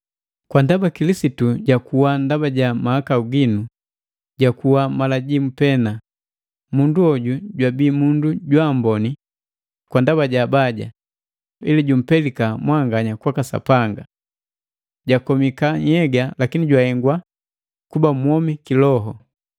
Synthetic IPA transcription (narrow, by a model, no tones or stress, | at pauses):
kwandabakilisituɟakuwandabaɟamahakauɡinu | ɟakuwamalaɟimupɛna | munduɔɟuɟwabiːmunduɟwambɔni | kwandaβaɟabaɟa̰ | ḭliɟum̩pɛlikamwaŋɡaɲakwakasa̰paŋɡa | ɟakɔmikaɲɛɡalakiniɟwahɛŋɡwa | kubamwɔmikilɔɦɔ